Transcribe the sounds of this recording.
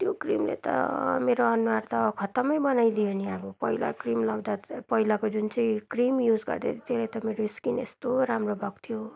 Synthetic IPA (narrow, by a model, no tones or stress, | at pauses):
t̪jokrḭmlḛt̪ʌ̰meɾoʌnuwart̪ʌkʰʌt̪ʌmʌjbʌnajd̪ioniabʌpʌɦila̰krimlawd̪apʌɦilakod͡zunt͡sʌj̃krimjud͡zɡʌ̰rd̪et̪ʰit̪elat̪ʌmeɾoiskinḛst̪oɾamrobʱʌɡt̪ʰijo